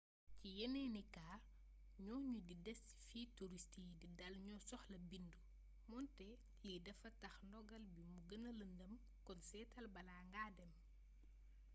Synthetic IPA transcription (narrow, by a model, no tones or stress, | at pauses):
cijɛnɛnikaː | ɲɔːɲudidɛs | fiːtuɾistididɐlɲɔsɔxlɐbindu | mɔntɛ | jidɛfɐtɐxndɔɡɐlbimuɡənɐlɐndəm | kɔnsɛːtʰɐlbɐlaːŋɡaːdɛm